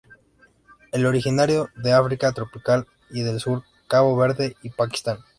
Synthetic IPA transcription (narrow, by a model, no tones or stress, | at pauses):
e̞lo̞ɾixinaɾjo̞ðeafɾikat̪ɾo̞pikal | iðe̞lsuɾ | kaβo̞βe̞ɾðe̞ipaki̥st̪an